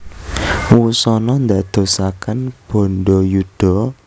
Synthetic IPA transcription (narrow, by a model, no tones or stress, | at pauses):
wusɔnɔnd̪ad̪̥o̤sakanb̥o̤nɖɔjud̪̥ɔ